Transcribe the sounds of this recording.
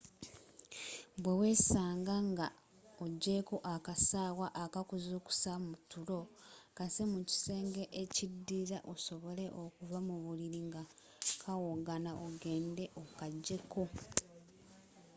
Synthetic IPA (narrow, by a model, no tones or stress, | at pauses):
bwe̞we̞saːŋɡaŋɡa | oɟːe̞ko̞ʔakasaːwaʔakakuzuku̥samutulo̞kasemuci̥se̞ːŋɡe̞ʔecidːiːɾaʔo̞so̞βo̞le̞ʔo̞kuvamuβuliɾiŋɡa | kʰawoɡanaʔoɡe̞ːnde̞ʔokaɟːe̞kʰo̞